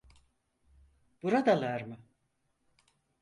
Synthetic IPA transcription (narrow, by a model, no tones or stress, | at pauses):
b̥uɾad̪alˠaɾmɯ